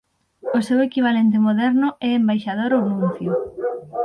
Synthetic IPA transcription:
osewekiβ̞alent̪̬emoðɛɾnʊɛembajʃað̞oɾownũn̟θjʊ

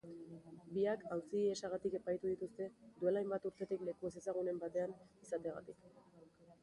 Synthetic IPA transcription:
biakawsiesaɣ̞at̪ike̞pajt̪uðit̪ust̪e̞d̪ue̞lajmbat̪uɾt̪e̞t̪ikle̞kue̞s̬e̞saɣ̞une̞mbat̪e̞anisat̪e̞aɣa̰t̪ik

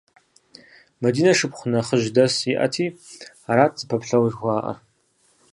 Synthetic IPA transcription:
mɐdiːnɐʂɨpχʷʊnɐχəʒdɐsiʔɐ̰tʰiː | aɾaːtʰz̥pʰɐpʰɬɐwʒxʷaːʔɐ̰r

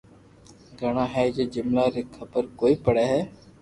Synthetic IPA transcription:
ɡʱəɳãːɦɛːd͡ʒeːd͡ʒʊmlaːɾeːkʰəbəɾkoːiːpəɽɛːɦɛː

